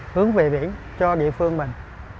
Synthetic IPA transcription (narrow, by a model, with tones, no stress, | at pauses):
hɨ˨˦əŋve˨˩ɓḭ˧˥ən | t͡ɕɔ˧ɗḭ˧˨əfɨ˧əŋmï˨˩ŋ̟